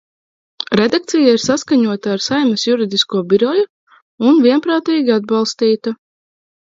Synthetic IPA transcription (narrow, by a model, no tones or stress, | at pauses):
ɾed̪ak̚t̪sijaiɾsaskaɲuɔt̪aːɾsajmɐsjuɾid̪iskuɔbiɾɔju | unviɛnpɾaːt̪iːɡʲiad̪̚balˠst̪iːt̪a